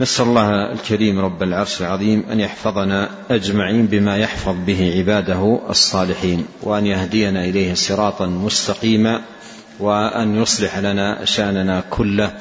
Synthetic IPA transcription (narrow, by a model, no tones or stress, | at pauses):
nasʔallˤːɑːha̰lkaɾiːmɾˤɑbːalʕɑɾˤʃalʕɑðˤiːmʔa̰njɑħfɑðˤɑna | ʔad͡ʒmaʕiːnbɪmaːjɑħfɑðˤbɪɦɪʕɪbaːd̪aɦɑ̰sˤːɑːlɪħiːnwa̰ʔanjahd̪ɪjanaʔɪlajhsˤɨɾɑːt̪ˤɑmʊst̪aqiːma | waʔa̰njʊsˤlɪħalanaʃaʔnanakʰʊlːa